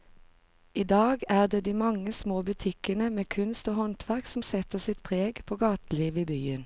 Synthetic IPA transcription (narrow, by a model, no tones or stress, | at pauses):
iːd̪ɑːɡæːʁd̪eːd̪iːmɑŋəsmoːbʉt̪ʰɪkənəmeːkʰʉnst̪oːhɔnt̪ʰʋæʁksm̩sɛt̪əsɪt̪̚pʰʁeːɡpʰoːɡɑːt̪l̩iːʋiːbyːən